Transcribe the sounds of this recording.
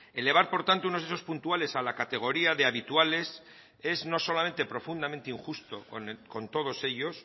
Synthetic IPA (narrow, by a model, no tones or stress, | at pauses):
e̞le̞β̞aɾpo̞ɾt̪ant̪ounozðe̞so̞spunt̪uale̞salakat̪e̞ɣ̞o̞ɾiaðe̞aβit̪uale̞s | e̞zno̞so̞lament̪e̞pɾo̞fund̪ament̪eiŋxust̪o̞nko̞nt̪o̞ð̞o̞se̞ʎo̞s